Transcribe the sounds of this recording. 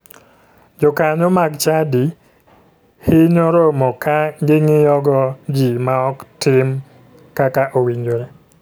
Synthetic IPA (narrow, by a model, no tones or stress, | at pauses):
d͡ʒɔkaɲɔmaɡt͡ʃadi | hɪɲoɾomɔkaɡɪŋɪjɔɡɔd͡ʒimaɔktɪm | kakaʔowiɲd͡ʒoɾe